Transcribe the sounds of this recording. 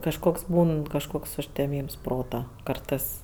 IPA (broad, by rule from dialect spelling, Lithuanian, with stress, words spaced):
kɐʃˈkoːks ˈbuːn kɐʃˈkoːks ʊʃʲtʲɛˈmʲiːms ˈproːtɐ ˈkɐrtɜs